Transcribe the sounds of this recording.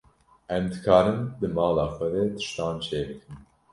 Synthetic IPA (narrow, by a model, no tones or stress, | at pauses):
ʔɛmd̪ɨkʰɑːɾɨmd̪ɨmɑːlɑːxʷɛd̪ɛt̪ʰɨ̥ʃt̪ɑ̃ːnt͡ʃʰeːbɨkʰɨm